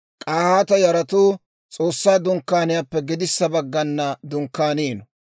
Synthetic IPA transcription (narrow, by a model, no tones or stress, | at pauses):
kʼaːhaːt̪ɐjɐɾɐt̪uː | t͡sʼo̞ːsːaːd̪ʊŋkːaːnɪjapːɛɡɪd̪ɪsːɐbɐɡːɐnːɐd̪ʊŋkːaːniːnɔ